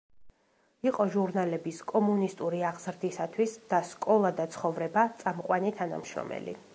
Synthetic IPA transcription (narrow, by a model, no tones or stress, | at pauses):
iqʼɔʒuɾnalɛbiskʼɔmunist̪ʼuɾiaʁz̥ɾd̪isat̪ʰwisd̪̥askʼɔlˠad̪at̪sʰχɔvɾɛbat̪sʼamqʼwanit̪ʰana̰mʃɾɔ̰mɛ̰lḭ